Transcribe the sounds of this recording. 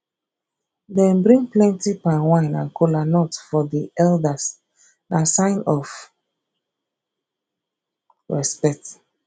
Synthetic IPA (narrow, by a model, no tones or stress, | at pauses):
dɛ̃nbɹĩŋplɛ̃ntipawãɪ̃nãnkʰolanɔtfɔdiɛldas | nasãɪ̃nɔf | ɹɛspɛt